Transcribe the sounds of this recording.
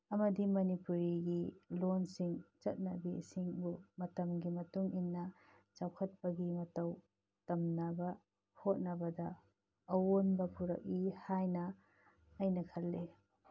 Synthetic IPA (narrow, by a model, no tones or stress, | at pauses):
ɐmɐdimɐnipuɾiɡilonsiŋt͡ʃɐt̚nɐbḭsiŋbumɐtɐmɡimɐtuŋinːɐ | t͡ʃawkʰɐt̚pɐɡimɐtɐw | tɐmnɐbɐ | hʰot̚nɐbɐdɐː | wonbɐpuɾɐ̰k̚ihajnɐː | jnɐkʰɐlːe